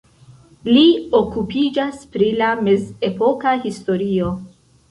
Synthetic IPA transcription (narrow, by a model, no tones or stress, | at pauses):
lio̞kupid͡ʒaspɾilame̞ze̞po̞kahisto̞ɾio̞